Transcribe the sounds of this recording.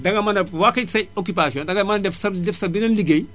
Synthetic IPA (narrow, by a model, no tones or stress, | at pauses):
dɐŋɡɐmɐnɐwakɐsɐokupasiɔ̃ndɐŋɡɐmɐnɐdɛfsɐdɛfsɐbinɐnliɡej